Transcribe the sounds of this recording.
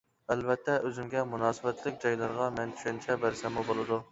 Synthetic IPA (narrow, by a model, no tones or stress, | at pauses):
ælvɛt̪ʰːɛʔøzymɡʲɛmunɑːsɨbɛt̪ʰlɪkʲd͡ʒɑjlˠɑɾʁɑmɛnt̪ʰy̥ʃɛnt͡ʃʰɛbæɾsɛmubolˠɨd̪u